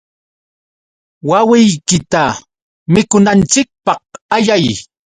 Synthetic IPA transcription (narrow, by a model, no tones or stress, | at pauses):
wawɪjkɪt̪a | mɪkʊnant͡ʃɪk̚pɑh̚aʎaj